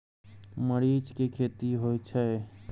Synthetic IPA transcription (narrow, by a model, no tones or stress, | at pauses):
məɾiːd͡ʒkekʰeːt̪iɦoːit͡ʃʰɐe